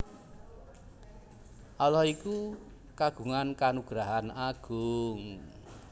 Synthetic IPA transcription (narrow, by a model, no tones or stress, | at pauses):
ʔɔlɔiku | kaɡ̥ṳŋankanuɡ̥ɾaɦanaɡ̥ʊŋ